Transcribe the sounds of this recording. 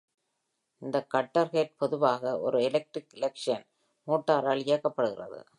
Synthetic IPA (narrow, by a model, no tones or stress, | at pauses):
ɪnd̪ɐkːɐʈːɐɾɣeːʈ̚pɔðɯʋaːɣɐʔɔ̰ɾɯɛlɐk̚ʈrɪkɪlɛkʂɐn | muːʈːaːɾaːlɪjɐkːɐpːɐɽɯɣɪrɐ̰ðɯ̰